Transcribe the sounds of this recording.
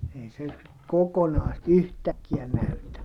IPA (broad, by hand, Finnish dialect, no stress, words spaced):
ei se kokonɑː sit yhtækːiæ næytæ